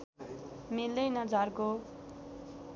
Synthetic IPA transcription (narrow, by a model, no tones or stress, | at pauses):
mild̪ʌjnʌd͡zarko